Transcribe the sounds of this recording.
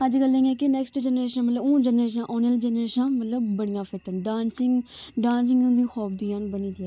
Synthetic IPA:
əd͡ʒɡəlːẽŋɛːkinɛːksʈd͡ʒɛːnɾeːʃənmət̪ləbũːd͡ʒənɾeːʃ̬ãʔoːnəld͡ʒɛnɾeːʃãmət̪ləbːəɽɪjãːpʰeːʈənɖãːnsɪŋɡɖãːns̬ɪ̃ŋɡũːd̪iːxɔːbiːãnbəniːd̪iɛː

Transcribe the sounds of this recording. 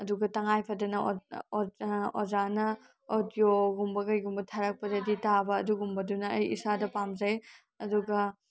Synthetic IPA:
ɐduɡɐtɐŋajpʰɐdɐnɐ | ozanɐ | odjoɡumbɐɡɐjɡumbɐtʰaɾɐk̚pɐdɐditabɐːduɡumbɐdunɐɐjḭsadɐpamzɐj | ɐduɡɐ

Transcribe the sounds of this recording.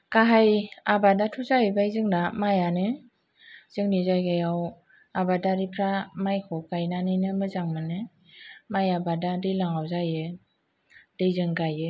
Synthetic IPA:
kaɦajabadatʰuzajibajzɯŋdamajanɯ | z̥ɯŋnizajɡajaw | abadaɾipʰɾamajkʰɔkajnanɯnɯmɯzaŋmɯnɯ | majabadadilaŋawzajɯ | d̥ejzɯŋɡajɯ

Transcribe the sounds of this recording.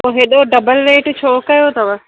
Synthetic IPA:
oɦeɗoɖɐbəlɾeːʈt͡ɕʰoːkɐjot̪ɐʋɐ

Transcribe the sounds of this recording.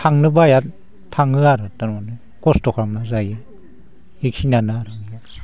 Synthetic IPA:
tʰaŋnɯbajat | tʰaŋɯaɾɯtananɯ | kɔstɔkʰɾamnazajɯ | ekʰinanɯaɾɯŋija

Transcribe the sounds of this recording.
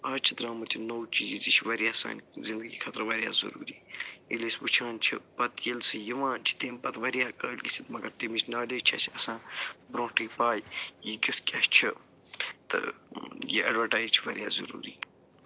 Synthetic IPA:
aːt͡ʃʰid̪ɾaːmɐt̪ʲʰinowt͡ʃiːzit͡ʃʰʋɐɾijaːsa̰ːnzind̪əɡiːkʰɐt̪ɾʋɐɾja̰ːzɐ̰ɾṵːɾiːilisʲʋut͡ʃʰãːnʲt͡ʃʰḭpɐt̪ʰjelsɨjiʋãːt͡ʃʰi̥t̪eːmpɐt̪ʋɐɾjaːkəːlʲkisit̪mɐɡɐɾt̪imit͡ʃʰnaːleːt͡ʃʰɐ̰t͡ʃʰɐsãːbɾõːʈiːpaːjjikʲit̪ʰkʲɐːʃt͡ʃʰi | t̪ɨ̰jḭʔɐɖʋəʈaːjzt͡ʃʰiʋɐɾʲjaːzɐ̰ɾṵːɾiː

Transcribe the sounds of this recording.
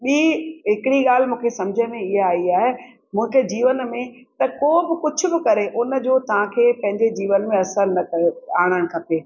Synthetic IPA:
ɓiːɦɪkɪɽiɡaːl̤ɪmũːkʰesɐ̃md͡ʑʱəmẽɪɦaaːiaːɦe | mũːkʰed͡ʑiːʋənmẽ | t̪ɐkoːbɪkʊd͡ʑʰʱʊ̆bɪkɐɾeʔʊnə̆d͡ʑoːt̪ɐʋ̤ãkʰeːpɐ̃ɦɪ̃ɲd͡ʑed͡ʑiːʋənmẽɐsəɾnɐkɐeaːɽ̃əɽ̃̆kʰɐpeː

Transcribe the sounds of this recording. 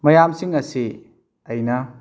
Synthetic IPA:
mɐjamsiŋɐsi | ɐjnɐ

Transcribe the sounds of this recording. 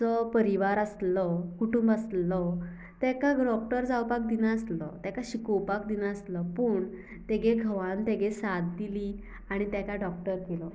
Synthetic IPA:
t͡sɔpəɾiʋaɾaslɔkuʈumbəslɔ | t̪akaɡɖɔk̚ʈəɾd͡zawpak̚d̪inaəslɔt̪jakaɕikɔwpak̚d̪inaəslɔpuːɳ | t̪eɡeɡʱəʋãnt̪eɡesad̪̚ːili | aɽ̃it̪jakaɖɔk̚ʈəɾkelɔ

